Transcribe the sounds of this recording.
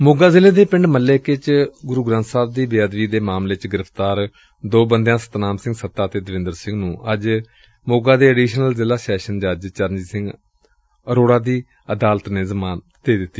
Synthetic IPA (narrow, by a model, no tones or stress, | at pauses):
moːɡaːzɪleːd̪eːpɪ̃ɳɖməlːeːket͡ʃɡʊɾuːɡɾãnt̪saːb̚d̪iːbejaːd̪ʋiːd̪eːmaːmleːt͡ʃɡɪɾəpʰt̪aːɾ | d̪oːbənd̪jãːsə̥t̪naːmsɪ̃ŋɡsət̪ːaːt̪eːd̪əʋɪ̃nd̪əɾsɪ̃ŋɡnũːʔəd͡ʒ | moːɡaːd̪eːəɖiːʃnəlzɪlaːsɛːʃənd͡ʒəd͡ʒt͡ʃəɾnd͡ʒiːsɪ̃ŋɡ | əɾoːɽaːd̪iː | əd̪aːlət̪nẽːzəmaːn | d̪̥eːd̪ɪt̪ːi